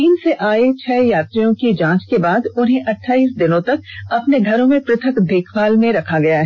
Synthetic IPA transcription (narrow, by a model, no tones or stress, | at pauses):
t̪iːnseʔaːet͡ʃʰɛːjaːt̪ɾijõkid͡ʒãːt͡ʃkebaːd̪ʊnɦẽʔɐʈʰːaːiːsd̪ɪnõt̪ɐk̚ɐpneɡʱɐɾõmẽpɾɪt̪ʰəkd̪eːkʰʋaːlmẽɾɐkʰaɡɐjaɦɛ